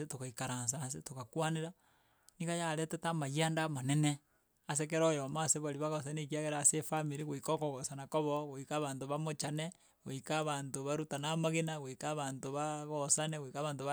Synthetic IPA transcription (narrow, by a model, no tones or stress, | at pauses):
setokaikaɾaːnsaas̬etokakwaneɾa | niɣajaɾetetamajiandamanene | as̬ek̬eɾojomaseβaɾiβaɣosanek̬iaɣeɾasefamiɾiɣoikokoɣosanakoβoɣoikaβaːntoβamot͡ʃane | ɣoikaβaːntoβaɾutanamaɣenaɣoikaβaːntoβaɣosaneɣoikaβaːntoβ